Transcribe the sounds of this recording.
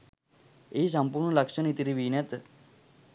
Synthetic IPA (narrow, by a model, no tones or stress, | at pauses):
es̬ɐmpuɾɳlɐkʃənit̪iɾiʋinet̪